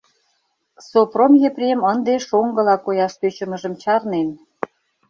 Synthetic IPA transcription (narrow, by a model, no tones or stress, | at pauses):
sopromjeprʲemənd̪eʃoŋɡə̆lɑkojɑʃt̪øt͡ɕə̆mə̆ʒə̆mt͡ɕɑrnen